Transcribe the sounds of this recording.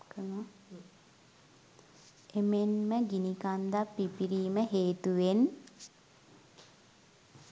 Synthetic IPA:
kəno | emenməɡinikand̪apːipiɾiːməɦeːt̪uʋen

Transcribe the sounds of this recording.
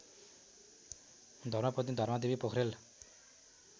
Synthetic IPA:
d̪ʱʌɾmapʌt̪̬id̪ʱʌɾmad̪ebipokʰɾel

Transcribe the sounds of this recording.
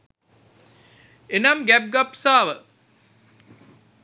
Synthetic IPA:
enamɡæp̚ɡapsaːʋə

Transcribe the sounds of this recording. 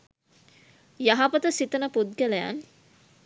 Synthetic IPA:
jaɦapət̪əsit̪ənəpud̪̚ɡæləja̰n

